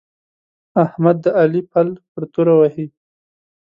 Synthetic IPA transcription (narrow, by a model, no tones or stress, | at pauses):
ahmad̪ːəalipalpəɾt̪oɾawahi